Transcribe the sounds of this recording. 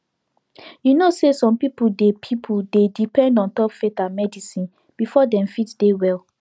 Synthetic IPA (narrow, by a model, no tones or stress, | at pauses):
junosesɔ̃mpipudepʰipʰudedipɛ̃ndɔ̃ntɔpfetãnmɛdisĩn | b̥ifɔdɛ̃mfitdewɛl